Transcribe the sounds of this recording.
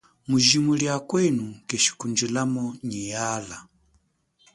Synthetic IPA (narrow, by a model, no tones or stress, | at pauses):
muʒimuljakwɛnukɛʃi̥kund͡ʒilamɔɲijala